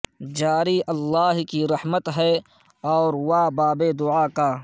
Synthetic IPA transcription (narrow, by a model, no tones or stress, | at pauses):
d͡ʒaːɾiʔɐlːaːɦkiɾɐhmət̪ɦɛ | ɔːɾwaːbaːbed̪ʊaːkaː